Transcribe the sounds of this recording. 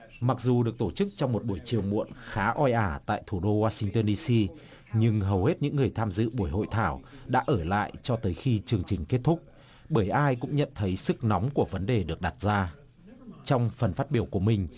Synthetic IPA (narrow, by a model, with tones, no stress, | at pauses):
ma˨˩k̚zu˨˩ɗɨ˨˩ək̚t̪o˧˩t͡ɕɨ˦˥k̚t͡ɕɔ˧wŋ͡mmo˨˩t̚ɓu˧˩əjt͡ɕi˨˩əwmṵ˧˨ənxaː˨˦ʔɔ˧jʔaː˧˩t̪a̰ː˧˨jt̪ʰu˧˩ɗo˧waː˧sï˧ŋt̪əː˧nɗi˧si˧ | ɲɨ˧ŋɦə˨˩whe˦˥t̚ɲɨ̰˧˥ŋːɨ˨˩əjt̪ʰaː˧mzɨ̰˧˨ɓu˧˩əjɦo̰˧˨jt̪ʰaː˧˩wɗa̰ː˧˥ʔəː˧˩la̰ː˧˨jt͡ɕɔ˧t̪əː˨˦jxi˧t͡ɕɨ˨˧˩əŋt͡ɕï˨˩ŋ̟ke˦˥t̚t̪ʰʊ˦˥k͡p̚ | ɓəː˧˩jʔaː˧jkʊ̰˧˥ŋ͡mɲə̰˧˨nt̪ʰə˨˦jsɨ˦˥k̚nɔ˨˦wŋ͡mku˧˩əvə˨˦nɗe˨˩ɗɨ˨˩ək̚ɗa˨˩t̚zaː˧ | t͡ɕɔ˧wŋ͡mfə˨˩nfaː˦˥t̚ɓi˧˩əwku˧˩əmï˨˩ŋ̟